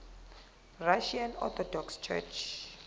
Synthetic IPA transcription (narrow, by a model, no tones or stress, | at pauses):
raʃianɔ̰t̪ʰɔdɔkst͡ʃʰɛ̰t͡ʃʰ